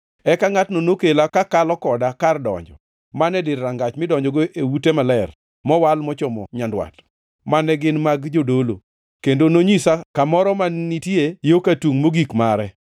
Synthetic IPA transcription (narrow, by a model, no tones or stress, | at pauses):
ɛkaŋatnonokelakakalɔkɔdakardɔ̰ɲd͡ʒɔ̰ | manɛdɪɾːaŋɡat͡ʃmɪdɔɲd͡ʒɔɡoʔewutemalɛr | mɔwalmɔt͡ʃɔmɔ̰ɲandwa̰t | manɛɡɪnmaɡd͡ʒodolo̰ | kendonoɲisakamɔɾɔmanitjejokatuŋmoɡikmaɾɛ